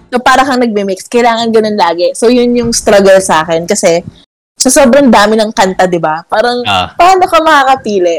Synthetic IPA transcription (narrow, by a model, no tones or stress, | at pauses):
sopaːɾɐkɐŋnɐɡ̚mimikskɐjlaːŋɐnɡɐno̞nlaːɡɛsojʊnjʊŋst̪ɾɐɡɐlsaːkɛnkɐsɛ | sɐso̞ːbɾɐŋd̪aːmɪnɐŋkɐnt̪ad̪ɪbapaːɾɐŋpaːno̞kɐmɐkaːkɐt̪iːlɛʔ